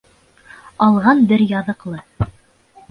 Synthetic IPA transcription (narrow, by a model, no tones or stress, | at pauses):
ɑlˠʁɑnbɘɾjɑðɤ̆qlˠɤ